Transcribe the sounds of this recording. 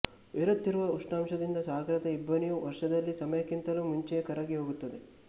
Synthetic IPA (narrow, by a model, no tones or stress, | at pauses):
ʋiɾud̪ːiɾuʋɐuʂʈaːmʃɐd̪ind̪ɐsaːɡɾɐt̪ɐibːɐnijuʋɐɾʂɐd̪ɐlːisɐmɐjɐkint̪ɐlumuɲt͡ʃɛkɐɾɐɡiɦo̞ːɡut̪ːɐd̪e